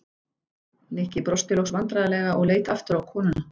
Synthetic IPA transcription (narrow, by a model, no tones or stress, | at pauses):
nɛhcɪpɾɔst̪ɪlowxsvant̪ɾaðalɛːɣaʔɔɣleːjt̪aft̪ʏɾawkʰɔːnʏna